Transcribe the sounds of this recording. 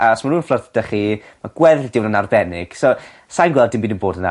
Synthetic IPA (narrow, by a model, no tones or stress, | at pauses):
ʔasmaruːnflərθd̥əχimaɡ̥wɛðld̥ɪwnənarbɛnɪ̰ɡ̥so | sajnɡwɛlˠdɪmbiːdənboːdəna̰